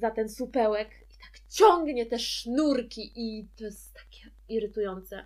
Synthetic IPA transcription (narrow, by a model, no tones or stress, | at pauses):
zat̪ɛnsupɛwɛk | it̪ḁkt͡ɕɔŋɡɲɛt̪ɛʂnuɾkʲiʔit̪ɔst̪ːḁkʲɛ | iɾɘt̪ujɔnt̪sɛ